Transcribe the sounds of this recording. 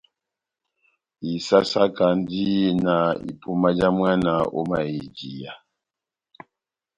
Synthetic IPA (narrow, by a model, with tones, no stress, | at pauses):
i˨sa˦sa˦ka˨n˦di˦na˨ḭ˨pu˦ma˦d͡ʒa˦mwa˦na˨ɔ̰˦ma˨i˨d͡ʒi˨ja˨